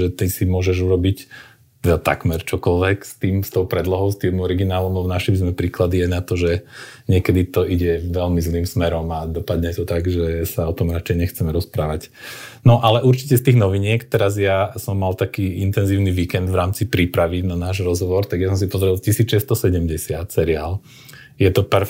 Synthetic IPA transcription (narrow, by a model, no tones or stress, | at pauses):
ʒɛt̪isimʊɔʒɛʒuɾɔbic | t̪ɛd̪at̪a̰kmɛɾt͡ʃɔkɔlʋɛkst̪iːmst̪ɔʊpɾɛd̪lɔɦɔʊst̪iːmɔɾiɡinaːlɔmlɛbɔnaʃimzmɛpɾiːklad̪iajnat̪ɔʒɛɲɪɛkɛd̪it̪ɔʔiɟɛʋɛlmizliːmsmɛɾɔmad̪ɔpad̪ɲɛt̪ɔt̪aɡʒɛsaɔt̪ɔmɾat͡ʃɛjɲɛxt͡sɛmɛɾɔspɾaːʋacnɔʔalɛʔuɾt͡ʃi̥cɛst̪iːɣnɔʋiɲɪɛkt̪ɛɾazjasɔmːalt̪akiːint̪ɛnziːʊniʋiːkɛnd̪ʋɾaːmt͡sipɾipɾaʋinanaːʒɾɔzɦɔʋɔɾt̪aɡjas̬ɔms̬ipɔzɾilcisiːt͡sʃɛst̪ɔsɛɟɛmɟɛsɪat̪sɛɾiaːl | jɛt̪ɔpɛɾ